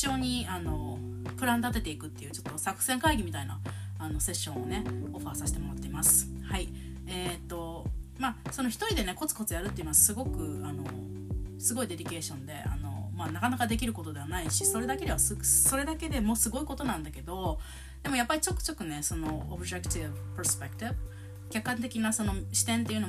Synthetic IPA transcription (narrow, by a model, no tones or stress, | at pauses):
io̞ːɲ̟iano̞ | pɯ̟ɾãnd̪at̪e̞t̪e̞ikɯ̟t̪ːe̞jɯ̟ːt͡ɕo̞t̪ːo̞sakɯ̟̥sẽ̞ŋkaiɡʲimʲit̪aina̰ː | no̞se̞ɕːõ̞ɰ̃one̞o̞ɸaːsaɕi̥t̪e̞mo̞ɾat̪ːe̞imasɨ̥hai | eːt̪ːo̞maːso̞no̞çʲi̥t̪oɾʲid̪e̞ne̞ko̞t͡sɨ̥ko̞t͡sɨjaɾɯ̟t̪ːei̟noasɨɡo̞kɯ̟ano̞̰ | sɨɡo̞id̪e̞ɾʲike̞ːɕõ̞nd̪e̞ʔa̰no̞̰manakanakad̪e̞kʲiɾɯ̟ko̞t̪o̞d̪e̞βanaiɕiso̞ɾe̞d̪ake̞d̪e̞βasso̞ɾe̞d̪ake̞d̪e̞mo̞sɨɡo̞iko̞t̪o̞nãnd̪ake̞d̪o̞ | d̪̥e̞mo̞japːaɾʲit͡ɕo̞kːɯ̟̥t͡ɕo̞kːɯ̟ne̞so̞no̞obɯ̟ʑekɯ̟t̪ivpeɾspekɯ̟̥t̪ibɯ | kʲakːãnt̪̬e̞kʲinaso̞no̞ɕi̥t̪ẽ̞nt̪̬e̞iɯ̟no